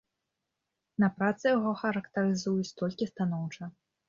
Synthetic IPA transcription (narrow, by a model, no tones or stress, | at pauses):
nɐpɾat̪sɨjaɣɔxɐɾɐkt̪ɐɾɨzujut͡sʲt̪ɔlʲkʲist̪anɔwt͡ʂɐ